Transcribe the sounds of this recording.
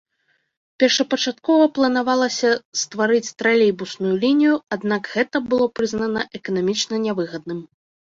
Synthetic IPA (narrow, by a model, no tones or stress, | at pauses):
pʲɛrʂɐpɐt͡ʂat̪̚kɔvɐplˠɐnavalˠɐsʲɐst̪vaɾɨt͡sʲt̪ɾalʲejbusnujulʲinʲijuad̪nakɣɛt̪ɐbɨlˠɔpɾɨznɐnɐʔɛkɐnamʲit͡ʂnɐnʲavɨɣɐd̪nɨm